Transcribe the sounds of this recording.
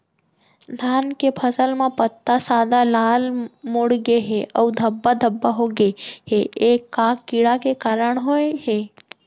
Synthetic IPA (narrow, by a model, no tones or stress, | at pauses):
d̪ʱaːnkepʰəsəlmẽpət̪ːasaːd̪alaːlmoɽɡeɦeʔəud̪ʱəbːad̪ʱəbːaɦoɡeɦeeːkːakːɪɽakekaːɾəɳ̃ɦoeɦeː